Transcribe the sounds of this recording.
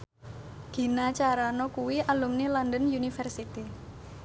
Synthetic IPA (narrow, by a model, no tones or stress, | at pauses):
ɡ̪̥i̤nat͡ʃaɾanɔkuwiʔalumnilandənjunifɛrsit̪i